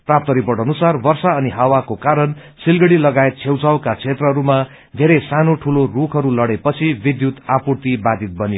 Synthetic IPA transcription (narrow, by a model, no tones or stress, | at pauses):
prap̚t̪ʌɾipʌɽʌnusarbʌrsaʌniɦawakokaɾʌn | silɡʌɽilʌɡaet̪̚t͡sʰewt͡sawkat͡sʰet̪rʌɦʌɾuma | d̪ʱeɾesanoʈʰulorukʰʌɾulʌɽepʌt͡sʰibid̪jut̪apurt̪ibad̪it̪̚bʌnjo